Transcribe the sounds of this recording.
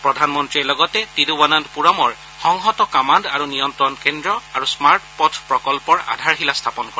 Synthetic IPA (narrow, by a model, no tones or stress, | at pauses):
pɹɔdʱanmɔntɹiɛɹlɔɡɔtɛtidubanandpuɹɔmɔɹ | xɔŋɦɔtɔkamandaɹunijɔntɹɔnkendɹɔaɹusmaɹʈpɔtʰpɹɔkɔlpɔɹa̰dʱaɹxilastʰapɔnkɔɹɛ